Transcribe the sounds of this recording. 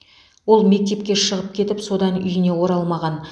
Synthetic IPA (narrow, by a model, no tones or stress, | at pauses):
wo̞lˠme̞k̚t̪e̞p̚kʲe̞ʃəʁəp̚kʲʰe̞t̪ɪpso̞d̪ɑnʏ̰jɪne̞wo̞ɾɑlˠmɑʁɑn